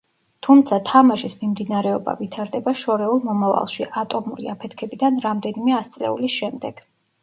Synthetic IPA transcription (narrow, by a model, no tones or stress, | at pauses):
t̪ʰumt̪sʰat̪ʰamaʃismimd̪inaɾɛɔba̰vit̪ʰaɾd̪ɛbaʃɔɾɛulˠmɔmava̰lˠʃiʔat̪ʼɔmuɾḭapʰɛt̪ʰkʰɛbid̪anɾamd̪ɛnimɛast̪sʼlɛ̰ṵlisʃɛmd̪ɛɡ̥